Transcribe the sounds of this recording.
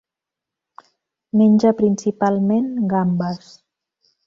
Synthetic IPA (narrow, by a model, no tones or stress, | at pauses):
menʲʒəpɾinsipalˠmenɡambəs